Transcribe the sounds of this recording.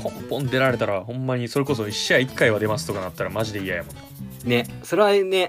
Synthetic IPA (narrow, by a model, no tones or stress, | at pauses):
kʰõ̞mpõ̞nd̪e̞ɾaɾe̞t̪aɾahõ̞mːaɲ̟iso̞ɾe̞ko̞s̬o̞iɕːaikːaiβad̪e̞masɨ̥t̪o̞kanat̪ːaɾamaʑid̪e̞ijajamõnd̪nesoɾe̞βane